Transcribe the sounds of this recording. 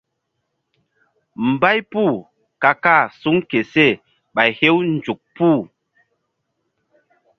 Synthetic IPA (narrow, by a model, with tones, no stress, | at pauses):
m̩˨ba˦jpu˦˨ | ka˨ka˦˨su˦ŋke˨se˦˨ | ɓa˨jhe˦wn̩˨d͡ʒu˨k̚pu˦˨